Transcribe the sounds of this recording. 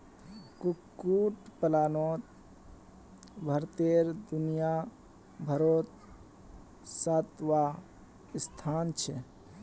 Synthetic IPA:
kukːuʈpəlaːnoːt̪ | bʱəɾt̪eɾd̪unija | bʱəɾoːt̪̚ | sət̪ʋa | ɪst̪ʰaːnt͡ʃʰɛ

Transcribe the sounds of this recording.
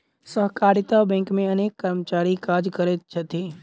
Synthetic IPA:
səɦkaːɾɪt̪abɛ̃ːŋkmẽɐneːkːəɾmət͡ʃaːɾikaːd͡ʒkəɾet̪̚t͡ʃʰɐt̪iː

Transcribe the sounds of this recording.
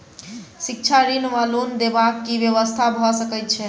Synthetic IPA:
sik̚t͡ʃʰaɾinmalond̪ebakːiʋjəʋəst̪ʰabʱɔsəkɛt̪̚t͡ʃʰɛ

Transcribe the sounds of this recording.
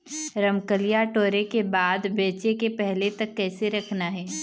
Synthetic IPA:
ɾɐmkəlijaʈoːɾekebaːd̪beːt͡ʃekepɛɦlet̪ɐkːɛːseɾɐkʰnaɦɛː

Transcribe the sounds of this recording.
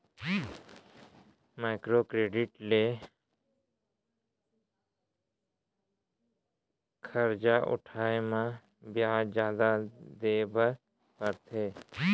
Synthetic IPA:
maːɪkɾokɾeːɖɪʈle | kʰəɾd͡ʒaʔʊ̰ʈʰaːemã | bjaad͡ʒjaːd̪ad̪eːbəɾ | kəɾt̪ʰeː

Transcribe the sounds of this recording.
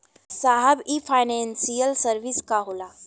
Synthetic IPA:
saɦəbifajnensijəlsəɾʋiskaɦola

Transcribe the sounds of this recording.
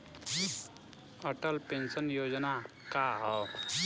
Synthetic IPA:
əʈəlpẽnsənjoːd͡ʒna | kaɦɔː

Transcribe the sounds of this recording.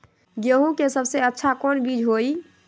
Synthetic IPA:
ɡjəɦũkesəbʱseətːʃʰakonbid͡ʒɦoi

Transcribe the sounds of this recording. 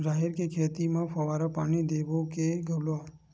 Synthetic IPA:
d͡ʒaɦeɾkekʰet̪imãfəʋaɾopañid̪eʋokeɡʱəlo

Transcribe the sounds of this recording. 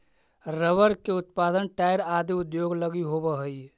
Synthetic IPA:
ɾəʋəɾkeʊt̪̚paːd̪ənʈaːjɾaːd̪iʊd̪joːɡləɡiɦobəɦəi

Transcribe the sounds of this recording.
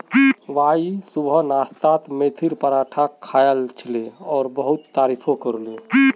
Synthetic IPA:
ʋaisubʱənast̪at̪met̪ʰiɾpəɾaʈʰakʰːajəlt͡ʃʰileɔːɾbəɦut̪ːaɾipʰokəɾlẽ

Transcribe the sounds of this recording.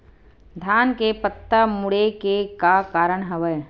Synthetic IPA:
d̪ʱjaːnkepət̪ːəmʊɽekekakaːɾəɽ̃ɦɐʋə

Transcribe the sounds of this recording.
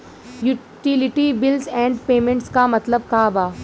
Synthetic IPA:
ju | ʈilɪʈibɪlzɛ̃ːɳɖpeːmẽɳʈskamɐt̪ləb̚kaːbaː

